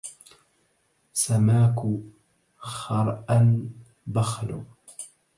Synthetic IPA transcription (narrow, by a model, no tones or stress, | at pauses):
samaːkʊ | xɑɾˤʔan | baxlʊ